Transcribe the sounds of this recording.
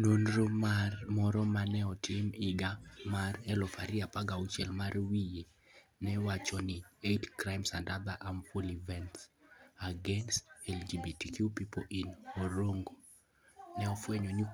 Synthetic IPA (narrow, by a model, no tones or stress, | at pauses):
nonɾomarmɔɾɔmanɛɔtʰɪmɪɡamarɛlɔfa̰ɾɪapaɡaut͡ʃɛlmaɾwije | nɛwat͡ʃɔnɪetkɾaɪmsandad̪aʔamfulivɛntsaɡɛnstɛld͡ʒibitikjupipoʔinoɾoŋɡo | nɛɔfwɛɲɔɲu